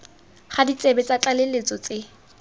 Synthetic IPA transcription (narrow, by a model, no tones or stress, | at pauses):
χadit͡sʼebɛt͡sʼat͡ɬʼalelet͡sʼɔt͡sʼe